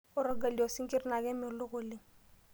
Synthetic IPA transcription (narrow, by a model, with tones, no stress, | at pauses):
ʊ˦ɾo˨ɡa˨li˨o˨sɪ˦ŋ̩˦kʼɪ˦rɪ˦na˨kɛ˦mɪ˨lʊ˦ɣʊ˨lɪ˦